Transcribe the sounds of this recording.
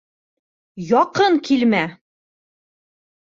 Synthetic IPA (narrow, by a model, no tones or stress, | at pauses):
jɒqɤɴkʰilmæ